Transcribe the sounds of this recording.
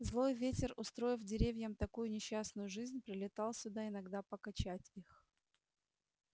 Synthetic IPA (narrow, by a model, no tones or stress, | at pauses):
zlˠo̞jvʲetʲɪrʊst̪ɾo̞ɪfdʲɪɾʲevʲjəmt̪ɐkujʊnʲɪɕːasnʊjʊʐɨzʲnʲpɾʲɪlʲɪt̪ɑlˠsʲʊd̪aɪnɐɡd̪apəkɐt͡ɕætʲix